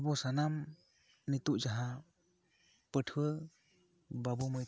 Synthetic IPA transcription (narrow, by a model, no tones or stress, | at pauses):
bɔsanam | nit̪uʔd͡ʒaɦa | pəʈʰə | babɔmɯj